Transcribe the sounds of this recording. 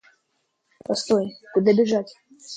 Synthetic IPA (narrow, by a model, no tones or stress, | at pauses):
pɐst̪ojkʊd̪abʲɪʐatʲ